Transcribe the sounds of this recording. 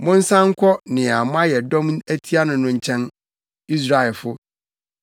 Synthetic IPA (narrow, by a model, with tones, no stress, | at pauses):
mʊ̃˦n̩˦sã˦ŋ̩˦kʷʰɔ˦nɪ̃˨a˨m˦a˦jɛ˨dɔ̃˦m˦æ˦tʰi˦a˦nʊ̃˨nʊ̃˦ɲ̩˦t͡ɕʰɛ̃˦n | i˦s̬ɾa˨ɛ˨lfʊ˦